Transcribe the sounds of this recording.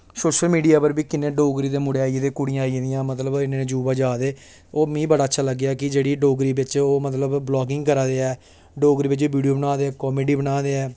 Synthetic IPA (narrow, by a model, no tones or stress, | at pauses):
soːʃəlmiːɖijaːpəɾbiːkɪnẽːɖoːɡɾiːd̪eːmʊɽeːaːid̪eːkʊɽijãːĩd̪ijãːmət̪ləbɪnẽːd͡ʒuːbaːd͡ʒaːd̪eː | oːmĩːbəɽaːətːʃʰaːləɡːejaːkɪd͡ʒeːɽiːɖoːɡɾiːbɪt͡ʃoːmət̪ləbblɔːɡɪŋɡkəɾaːd̪eːɛː | ɖoːɡɾiːbɪt͡ʃiːʋiːɖijoːbənaːd̪eːɛːkɔːmeːɖiːbənaːd̪eːɛː